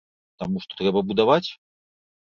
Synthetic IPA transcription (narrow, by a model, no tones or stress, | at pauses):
t̪amuʂt̪ɔ̥t̪ɾɛbɐbud̪avat͡sʲ